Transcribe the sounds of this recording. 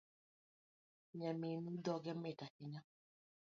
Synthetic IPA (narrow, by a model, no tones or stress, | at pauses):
ɲaminudɔɡɛmetakɪɲa